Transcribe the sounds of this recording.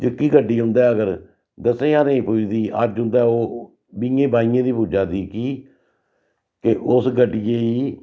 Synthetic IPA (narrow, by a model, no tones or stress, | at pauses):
d͡ʒəkːiːɡəɖiːɦʊ̃nd̪aːəɡəɾ | d̪əsẽːaːnəĩːpuːd͡ʒd̪iːʔə̰d͡ʒɦʊ̃nd̪aːoː | biːɡẽːbaːĩːãːd̪iːpuːd͡ʒaːd̪iːkiː | kɪʔʊsɡʱəɖiːjeːiː